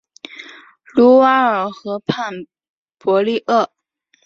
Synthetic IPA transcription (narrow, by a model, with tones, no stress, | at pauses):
lu˧˥wa˥ə˞˨˩xɤ˧˥pʰa˥˩n | pwɔ˧˥li˥˧ʔə˥˩